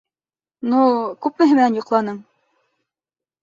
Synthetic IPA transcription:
nukʉpmɘ̆ɦɘ̆mɘ̆nænjŏqlˠɑnɤm

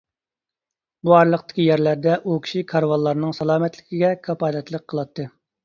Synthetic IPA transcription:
buɑɾlˠəqt̪ɪ̥kʲijæɾlæɾd̪ɛʔukʲʰi̥ʃikʰɑɾwɑlˠːɑɾnɨŋsɑlˠɑːmɛt̪lɪkʲiɡʲɛkʰɑpɑːd̪ɛt̪lˠəq̚ʰːəlˠɑt̪ʰːɨ

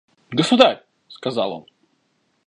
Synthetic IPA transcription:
ɡəsʊd̪aɾʲ | skɐzɑ̰lˠo̰n

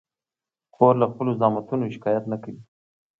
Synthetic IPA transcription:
koɾlaxpəlozɑmat̪unoʃɪ̥kɑjat̪nakawi

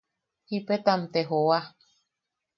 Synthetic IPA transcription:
hipet̪amt̪eɦowa

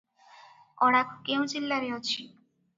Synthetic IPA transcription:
ɔɽ̃akkewd͡ʑilːaɾeɦot͡ɕʰi

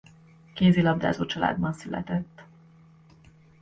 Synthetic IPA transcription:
keːzilɒvd̪a̰ːzoːt͡ʃɒla̰ːd̪bɒnsylɛ̰t̪ɛt̪ː

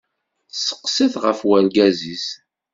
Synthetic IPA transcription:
sə̥qːsiθʁəfwælɡæzis

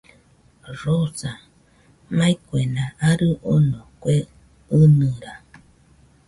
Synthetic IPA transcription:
ɾosa | mãikʷenãʔaɾɨʔonõkʷe | ɨnɨ̃ɾa

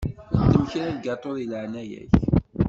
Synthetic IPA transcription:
ət͡s̪ːəmçɾælɡɑt̪ˤːoðəlʕnæjæ̰ç

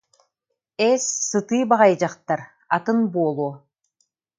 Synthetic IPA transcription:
ɛsːɯt̪ɯːbaʁajd͡ʑaχt̪aɾ | at̪ɯnbuɔlˠuː

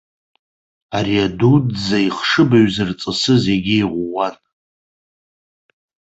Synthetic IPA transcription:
aɾiadudzaiχʂɨbaɥzɨrt͡sʼɨsɨze̞ɡʲɪiʁʷːan

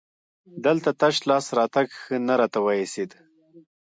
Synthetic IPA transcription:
d̪əlt̪at̪aʃlɑsɾɑt̪aɡxənaɾɑt̪awaesid̪

